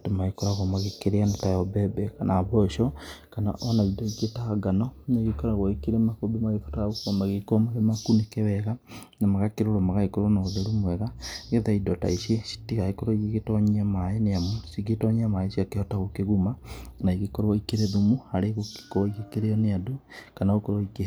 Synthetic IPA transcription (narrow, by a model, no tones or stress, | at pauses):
temaekoɾaɣɔmaɣekeɾeanetajɔbɛbɛkanaβɔʃɔkana̰ʔɔnaidoiketaɡanɔneɣekɔɾaɣoekeɾemakobemaɣefo̥taaɣokɔmaɣekɔmaɣemakunekɛwɛɣa | namaɣakeɾoɾomaɣaɣekoɾɔnaoðeɾumwɛɣaɣeðaidɔta̰iʃesi̥tiɣaekoɾoiɣeɣetɔɲiamaeneamusiɣetɔɲeamaesiakehɔtaɣokeɣumanaiɣekoɾɔikeɾeðomuhaɾeɣo̥koikekeɾeɔneadukanaokoɾwoike